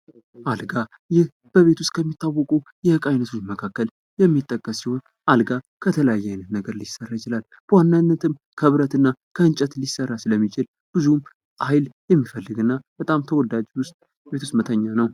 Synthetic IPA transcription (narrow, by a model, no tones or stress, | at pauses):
ʔalɡa | jɪh | b̥əβe̞t̪ʰust̪̚ʼkʰəmːit̪ːawːɔkʼujɛkʼajnət̪ʰut͡ʃːməkʰakːəl | jɛmːit̪ʼːəkʼːəsːiho̞n | ʔalɡa | kʰət̪ʰələjajːajnət̪nəɡəɾlisərːajɪt͡ʃɪlal | b̥əwanːanːət̪ʰɨmkʰəβɨɾət̪ɨnːakʰəɨnt͡ʃʼət̪lisərːasɨləmːit͡ʃɪl | b̥ɨzum | ajljɛmːifəlːɨɡɨnːab̥ət̪ʼamt̪ʰəwɔd̪ad͡ʒwʊst̪ʼ | bet̪ʰust̪mət̪ʰəɲːanəw